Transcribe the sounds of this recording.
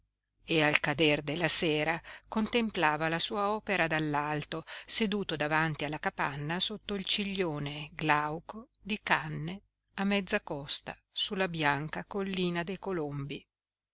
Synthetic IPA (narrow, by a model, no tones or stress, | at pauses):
ealkad̪erd̪elːaseːɾakont̪emplaːvalasuːaɔːpeɾad̪alːalt̪osed̪uːt̪od̪avant̪ialːakapanːasot̪ːoilt͡ʃiʎːoːneɡlawko | d̪ikanːe | amːɛd̪zːakɔst̪a̰ | sulːabjaŋkakolːiːnad̪ejkolombi